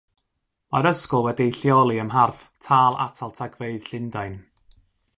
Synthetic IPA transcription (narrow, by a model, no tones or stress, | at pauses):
maɾəskʊlˠwɛdijɬjɔlˠiəmɦarθtʰaːlˠa̰tʰalˠtʰaɡveɨð̥ɬɪndaɨn